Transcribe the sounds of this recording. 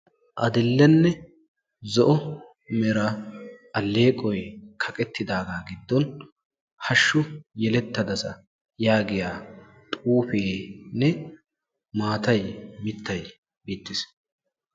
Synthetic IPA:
ʔɐd̪ɪlːɛnːɛ | zɔʔɔ | mɛɾɐʔɐlːe̞ːkʼɔjkʰɐkʼɛt̪ʰːɪd̪aːɡaːɡɪd̪ːɔn | hɐʃːʊjɛlɛt̪ːɐd̪ɐsɐ | jaːɡɪjaː | t̪ʼuːfeːnɛ | maːt̪ɐjmɪt̪ʰːɐj | biːt̪ːɪs

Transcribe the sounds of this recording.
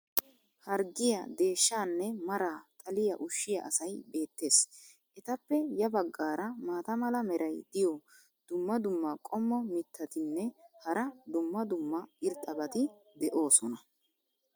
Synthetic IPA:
hɐɾɡɪjɐ̰d̪e̞ːʃːaːnːɛmɐɾaːt̪ʼɐlɪjɐʔʊʃːɪjɐ̰ʔɐsɐjbe̞ːt̪ːe̞ːs | ʔɛt̪ɐpːɛjɐbɐɡːaːɾɐmaːt̪ɐmɐlɐmɛɾʔɐjd̪̥ɪjɔ | d̪̥ʊmːɐd̪ʊmːɐkʼɔmːɔmɪt̪ʰːɐt̪ɪnːɛhɐɾɐd̪ʊmːɐd̪ʊmːɐɪɾt̪ʼɐbɐt̪ɪ | d̪ɛʔo̞ːsɔnɐ

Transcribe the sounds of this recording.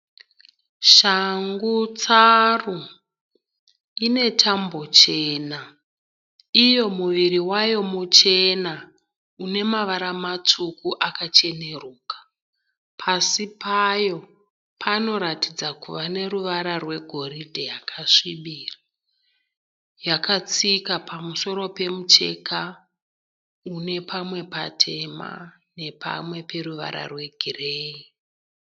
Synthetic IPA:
ʃaŋɡut͡saru | ine̞tʰambo̞t͡ʃe̞ːna | ijo̞muʋiɾiwajo̞mut͡ʃe̞na | une̞maʋaɾamat͡sukuʔakat͡ʃe̞ne̞ruːkḁ | pʰasipajo̞ | pʰano̞ɾatid͡zakuʋane̞ruʋaɾarwe̞ɡʱo̞ɾidʱejakʰaʂiɓiːra | jakat͡sikapʰamuso̞ɾo̞pe̞mut͡ʃe̞̰ka | une̞pʰamwe̞pa̰tʰe̞ma̰ | ne̞pʰa̰mwe̞pe̞ɾuʋa̰ɾa̰rwe̞ɡʱireːi

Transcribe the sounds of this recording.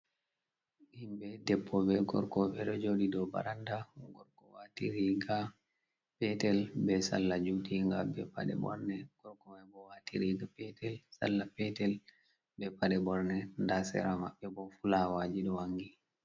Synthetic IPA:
ʔimbɛdɛpʰːɔbɛɡɔ̰ɾkɔɓɛɗɔd͡ʒoɗidɔba̰ɾandaɡɔɾkɔwatiɾiɡa | pɛtɛlbɛsa̰lːad͡ʒutiŋɡabɛpa̰ɗɛ̰bɔ̰ɾnɛɡ̥ɔɾkɔmajbɔwatiɾiɡapɛtɛlsa̰lːapɛtɛl | bɛpaɗɛbɔɾnɛndasɛ̰ɾama̰ɓːɛbɔfulawaːd͡ʒiɗɔwaŋɡi

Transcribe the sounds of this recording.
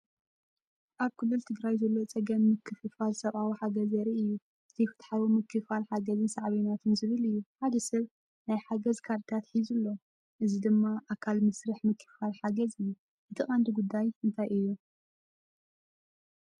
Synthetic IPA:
ʔaβkʰɨlːɨlt̪ʰɨɡɾajzɐlːo̞t͡sʼɐɡɐmːɨkʰːɨfɨfalsɐβʔawiħaɡɐzɐɾiʔɨjːu | ʔɨt̪ʰifɨt̪ħaβumɨkʰːɨfalħaɡɐzɨnsɐʕβinat̪ʰɨnzɨβɨlɨjːuħad̪ɐsɐβ | najħaɡɐzkʰaɾt̪ʰat̪ħizɨlːo̞ | ʔɨzid̪ɨmːaʔakʰalmɨsɾɨħmɨkʰːɨ̥falħaɡɐzɨjːu | ʔɨt̪ʰɨχʼand̪ɨɡud̪ːajɨnt̪ʰajʔɨjːu

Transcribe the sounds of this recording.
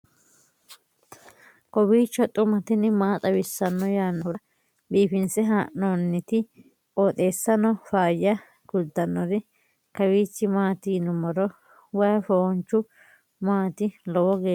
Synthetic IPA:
kʼɔbiːt͡ʃːɔt̪ʼʊmɐt̪ɪnːɪmaːt̪ʼɐwɪsːɐnːɔjaːnːɔɾɐ | biːfɪnsɛɦaːʔnoːnːɪt̪ɪ | oːt̪ʼe̞ːsːɐnɔfaːjɐ | ɡ̥ʊd̪ːɐnːɔɾɪ | kɐwiːt͡ʃːɪmaːt̪iːnʊmɔɾɔ | wɐjɐfɔːnt͡ʃːʊ | maːt̪ɪlɔwɔɡeː

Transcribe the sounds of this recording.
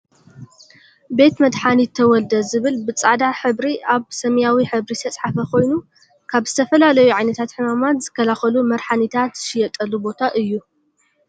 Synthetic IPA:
be̞t̪mɐd̪ħanit̪ʰːɐwɔld̪ɐzɨβɨlbɨt͡sʼad̪aħɨβɾiaβsɐmjawiħɨβɾist̪ʰɐt͡sʼħafɐkʰo̞jnu | kʰaβzɨt̪ʰɐfɐlalɐjuʕajnɐt̪ʰat̪ħɨmamat̪z̥ɨkʰːɐlaxɐlumɐɾħanit̪ʰat̪ʃɪjɛt̪ʼɐlubo̞t̪ʰaʔɨjːu

